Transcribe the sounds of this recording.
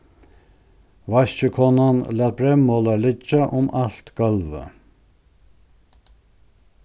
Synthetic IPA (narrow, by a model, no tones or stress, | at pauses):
ʋɑɕəkʰɔnɑnlɑːt̪̚bɾɛmoːlɑlʏd͡ʒɑʔʊmʔɑlt̪ɡ̥œlʋə̰